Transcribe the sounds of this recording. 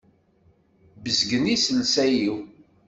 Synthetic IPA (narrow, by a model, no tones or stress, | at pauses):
bəzɡənisəlsæjiw